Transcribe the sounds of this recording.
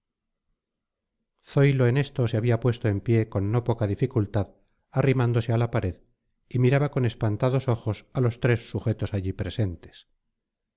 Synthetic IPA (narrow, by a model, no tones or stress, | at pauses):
θo̞jlo̞ene̞st̪o̞seaβiapwe̞st̪oe̞mpje̞ko̞nːo̞po̞kaðifikult̪að | arimand̪o̞sealapaɾe̞ð | imiɾaβako̞ne̞spant̪aðo̞so̞xo̞salo̞st̪ɾe̞sːuχe̞t̪o̞saʎipɾe̞se̞nt̪es